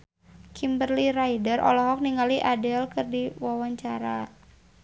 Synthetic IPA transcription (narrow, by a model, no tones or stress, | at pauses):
kʰimbərliɾajdərʔɔ̰lɔɦɔk̚niŋaliʔadɛlkɨrdiwawaɲt͡ʃaɾa